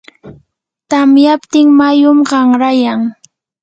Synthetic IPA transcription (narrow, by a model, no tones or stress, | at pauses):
t̪amjapt̪ɪŋmajʊmɢɑŋɾajaŋ